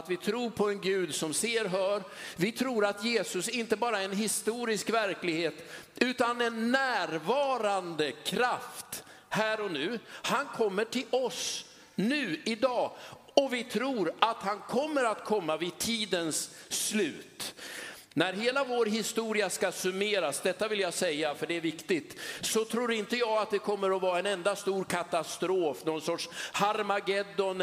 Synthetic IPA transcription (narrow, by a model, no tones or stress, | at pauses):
at̪vɪt̪ʰɾuːɾpʰɔɛnɡʉ̟ːd̪sɔmseːɾɦœːɾvɪt̪ʰɾuːɾat̪jeːsɵsɪnt̪əbɑːɾaɛɛnɦɪst̪uːɾɪskvæɾklɪɡheːt̪ʉ̟ːt̪anɛnːæːɾvɑːɾand̪əkʰɾaft̪ | hæːɾɔnʉ̟ːhankʰɔmːəʈʰɪlɔs | nʉ̟ːɪd̪ɑː | ɔvɪt̪ʰɾuːɾat̪hankʰɔmːəɾat̪kʰɔmːavɪt̪ʰiːd̪ənsːlʉ̟ːt̪ | næɾɦeːlavoːɾɦɪst̪uːɾɪaskasɵmeːɾasd̪ɛt̪ːavɪljasɛjːafœɖɛːɾvɪkt̪ɪt̪sɔt̪ʰɾuːɾɪnt̪əjɑːɡat̪̚d̪ɛkʰɔmːəɾɔvɑːɾaɛnɛnd̪ast̪uːɾkʰat̪ast̪ɾoːfnɔnsɔʈʂhaɾmaɡɛd̪ːɔn